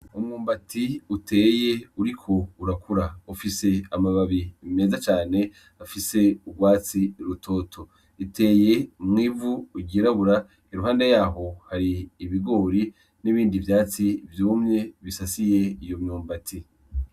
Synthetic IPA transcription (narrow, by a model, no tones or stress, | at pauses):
umŋuːmbatʰiutʰe̞ːje̞uɾikʰo̞uɾakuɾaufise̞amaβaβime̞ːzat͡ʃaːne̞ | afise̞uɡwaːt͡siɾutʰo̞ːtʰo̞ | ite̞ːje̞mŋiːvuːɟiɾaβuɾa | iɾuɦaːndejaːɦo̞haɾiːβiɡo̞ːɾi | niβiːndivjaːt͡sivjuːmɲe̞βisasije̞ijo̞mɲuːmbatʰi